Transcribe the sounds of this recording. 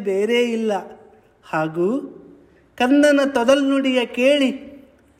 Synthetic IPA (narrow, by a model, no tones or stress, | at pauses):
beːɾeːilːɐ | haːɡuː | kɐnd̪ɐnɐt̪ɔd̪ɐlnuɽijɐkeːɭi